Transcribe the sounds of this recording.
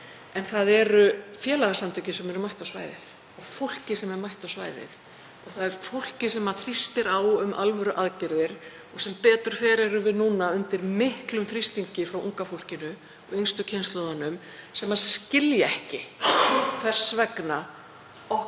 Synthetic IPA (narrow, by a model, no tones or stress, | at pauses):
ɛnθaðɛɾʏfjɛːlaɣasant̪ʰʏcɪsɛmɛɾʏmajht̪awsva̰ːjðɪ̰θ | ɔɣfowl̥cɪsɛmɛɾmajht̪awsva̰ːjðɪ̰θ | ɔɣθaðɛɾ̥fowl̥cɪsɛmaθɾist̪ɪɾaːwʏmʔa̰lvɛɾʏʔaðcɪɾðɪɾ̥ | ɔɣsɛmpɛːt̪ʏɾ̥fɛːɾɛɾʏvɪðnuːnaʏnt̪ɪɾmɪhklʏmθɾist̪iɲcɪfɾawʔṵŋkafowl̥cɪnʏ | ɔɣejnst̪ʏcʰejnst̪lɔðanʏm | sɛmːḁscɪljaɛhcɪ | kʰvɛr̥svɛkna | ɔ